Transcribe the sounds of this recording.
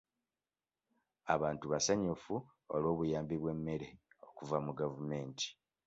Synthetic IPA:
aβaːntuβasaɲufu | olwo̞ːβujaːmbiβwe̞mːe̞ɾe̞o̞kuvamuɡavume̞ːnti̥

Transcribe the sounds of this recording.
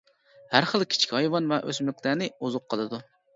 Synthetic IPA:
hæɾχəlˠkʲʰi̥t͡ʃʰkʲɑjvɑnvɛʔøsmɪkʲʰlænɪuzʊqʰːəlˠɨd̪u

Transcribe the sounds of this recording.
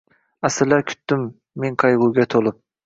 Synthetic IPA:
asɪɾlaɾkʲʰʊ̥t̪ːɪmː | eŋqʰɑjʁʊɡʲat̪ʰolˠɪp̚

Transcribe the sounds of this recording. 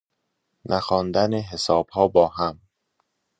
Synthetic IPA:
nʔæxɒːnd̪æneɦesɒːb̥hɒːbɒːɦæm

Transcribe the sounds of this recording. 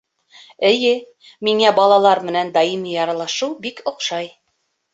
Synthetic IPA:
ɘ̆jɘ | miŋæbɑlˠɑlˠɑɾmɘ̆nænd̪ɑimijɑɾɑlˠɑʃɤwbikŏqʃɑj

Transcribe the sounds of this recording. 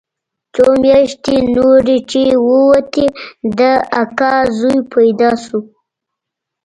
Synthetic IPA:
t͡somjɑʃt̪enoɾet͡ʃewəwat̪ed̪əakɑzujpʰajd̪ɑʃu

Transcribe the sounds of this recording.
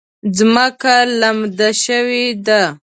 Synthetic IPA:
zməkalamd̪aʃəwed̪a

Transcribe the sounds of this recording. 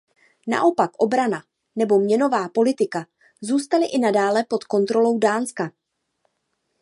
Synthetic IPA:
na̰ʔo̞pakʔo̞bɾana | nɛbo̞mɲɛno̞vaːpo̞lɪt̪ɪka | zuːst̪alɪʔɪnadaːlɛpo̞t̪ko̞nt̪ɾo̞lo̞wdaːnska

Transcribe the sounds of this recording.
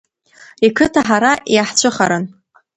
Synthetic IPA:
ikʰɨtʰaħaɾaʔjaħt͡ɕʷʰɨχaɾɨn

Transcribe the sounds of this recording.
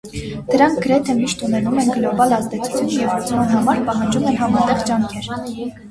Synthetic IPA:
d̪̥əɾɑŋk̚ʰɡəɾɛt̪ʰɛmiʃt̪unɛnumɛnɡlɔbɑlɑzd̪ɛt͡sʰu̥t͡sʰjunjɛvɾut͡sʰmɑnɦɑmɑɾpɑɦɑnd͡ʒumɛnɦɑmɑt̪ɛʁd͡ʒɑŋkʰɛɾ

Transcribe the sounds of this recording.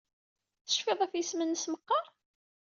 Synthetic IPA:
θə̥ʃfɪðˤæfjəsmənːəsməqːɑɾˤ

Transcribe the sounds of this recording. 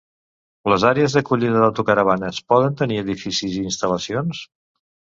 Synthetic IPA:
ləzaɾeəzðəkuʎiðəðawt̪ukəɾəβ̞anəːspɔðənt̪əniəðifisiziːnst̪ələsions

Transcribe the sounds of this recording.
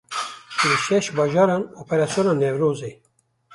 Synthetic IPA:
lɨʃɛʃbɑːʒɑːɾɑːnoːpʰɛɾɑːsjonɑːnɛvɾoːzeː

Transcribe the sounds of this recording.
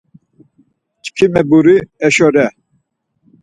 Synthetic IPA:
t͡ʃʰʼkʰimɛbuɾiɛʃɔɾɛ

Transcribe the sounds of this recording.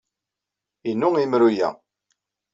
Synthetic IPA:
inːʊimɾujæ̰

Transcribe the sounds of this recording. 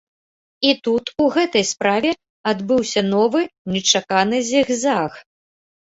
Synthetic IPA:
it̪ut̪uɣɛt̪ɐjspɾavʲɛ | ad̪bɨwsʲɐnɔvɨnʲɛt͡ʂakanɨzʲiɣzax

